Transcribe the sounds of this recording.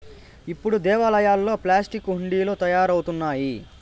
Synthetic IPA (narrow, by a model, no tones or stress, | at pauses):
ipːuɽud̪ɛːʋaːlɐjaːlːo̞ːplaːsʈikɦuɳɖiːlo̞ːt̪ɐjaːɾɐwut̪unːaːji